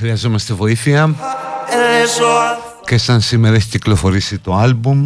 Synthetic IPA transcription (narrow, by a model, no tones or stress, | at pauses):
xɾiɐzo̞mɐst̪e̞vo̞iθiɐ | cesɐnsimeɾɐeçiciklo̞fo̞ɾisit̪o̞ɐlbum